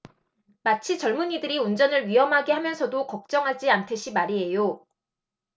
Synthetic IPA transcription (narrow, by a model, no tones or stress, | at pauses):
mat͡ɕʰit͡ɕʌɭmunidɯɾiund͡ʑʌnɯɭɥiɦʌmɦaɡehamjʌnsʰʌdokʌk̚t͡ɕ͈ʌŋɦad͡ʑiantʰeɕʰimaɾiɦe̞jo